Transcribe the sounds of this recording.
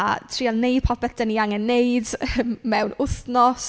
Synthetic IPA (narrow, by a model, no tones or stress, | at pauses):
a̰tʰriːalnːejd̚pʰɔpɛθd̥əniaŋɛnːejdmmɛwnʊθnɔs